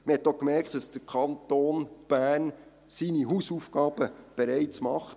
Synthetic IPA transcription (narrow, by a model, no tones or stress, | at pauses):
məhɛt̪ːokmɛɾktd̥ɑsd̥əɾkʰɑnt̪oːnb̥æːn | siniɦusufɡ̥ɑːb̥əb̥eɾɛɪtt͡smɑχt